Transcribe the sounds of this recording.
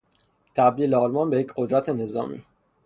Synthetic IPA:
t̪ʰæbd̪iːleɒːlmɒːnbe̞jecʰɢo̞d̪ɾæt̪ʰene̞zɒːmḭː

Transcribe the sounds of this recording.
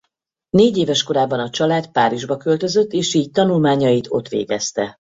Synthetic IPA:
neːɟeːvɛʃko̞ɾaːbːɒnɒt͡ʃɒlaːt̪paːɾiʒbɒkø̞lt̪ø̞zø̞t̪ːeːʃiːc̚t̪ɒnulmaːɲɒjit̪ʰo̞̰t̪ʋḛːɡɛst̪ɛ

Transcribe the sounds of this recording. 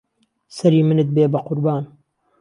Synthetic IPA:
sɐɾiːmɨnɨt̪̚beːbɐqʊɾbaːn

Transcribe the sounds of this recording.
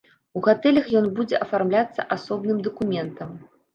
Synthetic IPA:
uɣat̪ɛlʲɐxjɔnbud͡zʲɛʔɐfarmlʲat̪sːɐ̰ʔasɔbnɨmd̪ɐkumʲɛnt̪ɐm

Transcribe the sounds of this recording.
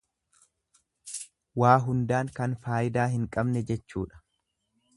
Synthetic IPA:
waːɦʊnd̪aːŋkɐnfaːjɪd̪aːɦɪŋkʼɐbnɛd͡ʒɛt͡ʃːuːᶑɐ̥

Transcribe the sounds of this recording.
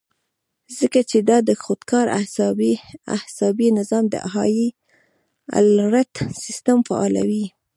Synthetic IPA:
zəkat͡ʃed̪ɑd̪əxod̪kɑɾa̰hs | a̰hsɑbinɪzɑmd̪ə̰ʔaɦɑji | a̰lɾat̪sɪst̪amfa̰ɑ̰la̰wi

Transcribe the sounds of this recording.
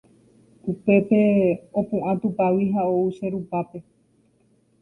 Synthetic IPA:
upe̞pe̞opũʔãt̪upawiɦaouʃeɾupape̞

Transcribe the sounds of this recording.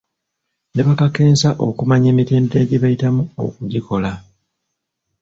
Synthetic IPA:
ne̞βakake̞ːnsaʔo̞̰kumaɲe̞ːmite̞ːndeɟeβajitamuo̞̰kuɟikʰo̞la

